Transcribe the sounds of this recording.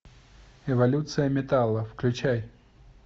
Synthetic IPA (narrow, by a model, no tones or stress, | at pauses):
ɛvɐlʲut̪sɨjəmʲɪt̪alˠːəfklʲʉt͡ɕaj